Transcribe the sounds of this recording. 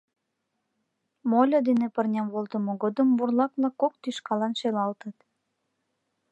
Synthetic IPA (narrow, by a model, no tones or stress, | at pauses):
molʲod̪enepərnʲɑmβolt̪əmoɣod̪əmburlɑkβlɑkːok̚t̪yʃkɑlɑnʃelɑlt̪ət̪